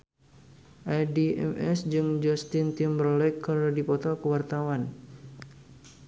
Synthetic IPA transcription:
ʔadiʔɛ̰mɛsd͡ʒɨŋd͡ʒɔst̪ɪnt̪imbrɔlɛkərdipɔt̪ɔkəwart̪awan

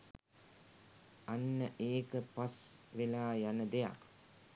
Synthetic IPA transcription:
anːəʔeːkəpasʋelaːjanəd̪eja̰k

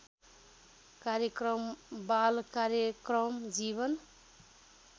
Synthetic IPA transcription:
kaɾjʌkɾʌmbalkaɾjʌkɾʌmd͡ʒiβʌn

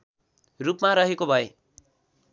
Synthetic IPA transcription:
rupmaɾʌɦekobʱʌe

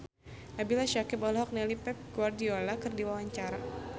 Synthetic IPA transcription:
nabilaʃakɪpɔlɔɦɔk̚nɛlipɛp̚ɡwardiolakɨrdiwawaɲt͡ʃaɾa

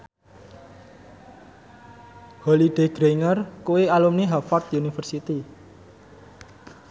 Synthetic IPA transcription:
holiɖ̪̥e̤ɡ̥ɾeŋərkuwealumniɦafɔrt̪unifərsit̪i

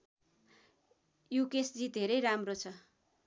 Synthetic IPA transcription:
jukesd͡zid̪ʱeɾʌjɾamrot͡sʰʌ

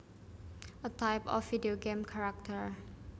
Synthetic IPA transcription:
ʔətaɪpɔ̰fːidioɡẽmkʰaɹak̚t̪ʰəɹ

